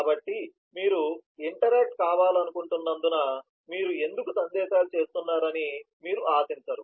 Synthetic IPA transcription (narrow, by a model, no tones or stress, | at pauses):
kaːbɐʈːi | miːɾuiɳʈɐɾeːk̚ʈkaːʋaːlɐnukuɳʈunːɐnd̪unɐ | miːɾue̞nd̪ukusɐnd̪ɛːʃaːlut͡ʃe̞ːst̪unːaːɾɐni | miːɾuʔaːsiɲt͡ʃɐɾu